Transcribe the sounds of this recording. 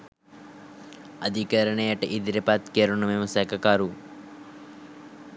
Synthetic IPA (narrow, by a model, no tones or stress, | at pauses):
ɐd̪ʱikɐɾɐɳɐjɐʈːɨʔid̪iɾɐpaːt̪keɾuɳumemɐsɐkɐkaːɾu